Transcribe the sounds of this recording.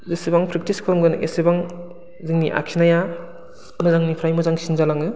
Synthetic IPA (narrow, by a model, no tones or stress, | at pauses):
zesibaŋpʰɾik̚tiskʰɯɾɔmɡɯnʔḛsibaŋ | zɯŋniʔa̰kʰinaja | mɯzaŋnipʰɾajmuzaŋsinzalaŋɯ